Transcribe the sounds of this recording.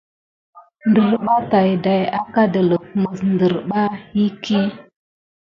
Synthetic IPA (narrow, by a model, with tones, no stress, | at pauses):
ndə˨ɾɓa˦ta˨jda˨ja˦ka˦də˨lə˨k̚mə˨sndə˨ɾɓa˦hi˦ki˦